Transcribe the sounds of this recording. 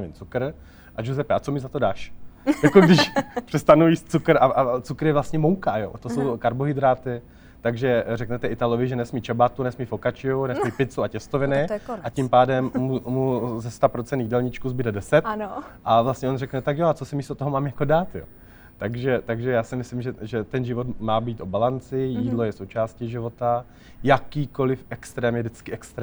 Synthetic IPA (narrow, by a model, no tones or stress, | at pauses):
vɪnt͡sukɾ̩ | ʔaʒozɛpɛʔat͡so̞mɪzat̪o̞daːʃjakoɡdɪʃpr̝̥ɛst̪anujiːst̪̚t͡sukɾʔaʔat͡sukɾjɛvlast̪ɲɛmowkajo̰t̪osowkaɾboɦɪd̪ɾaːt̪ɪ | t̪aɡʒɛrɛknɛt̪ɛʔɪt̪alovɪʒɛnɛsmiːt͡ʃɛbat̪unɛsmiːfokat͡ʃɪunɛsmiːpɪt͡suacɛst̪ovɪnɪacimpaːdɛmːuːuzɛst̪apɾot͡sɛnt̪ːidɛlɲɪt͡ʃkuzbɪdɛdɛsɛt̪nʔavlast̪ɲɛo̞nrɛknɛt̪akjoat͡sosɪmist̪ot̪oɦomaːmjakodaːt̪jo̰ː | t̪aɡʒɛt̪aɡʒɛjaːsɪmɪslɪmʒɛʒɛt̪ɛnʒɪvo̞t̪maːbiːt̪ʔo̞balant͡sɪjiːdlo̞jɛsowt͡ʃaːsciʒɪvo̞t̪a | jakiːko̞lɪfʔɛkst̪ɾɛːmjɛdɪt͡skɪʔɛkst̪ɾɛ